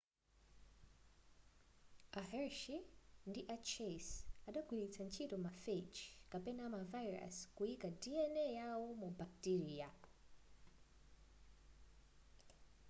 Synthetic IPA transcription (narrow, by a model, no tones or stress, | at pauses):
aɦɛɹʃindiʔat͡ʃʰesaɗaɡwilit͡sʰant͡ʃʰitɔmafet͡ʃkapɛnamavajɾa̰skuikadiɛnɛjawɔmubak̚tiɾia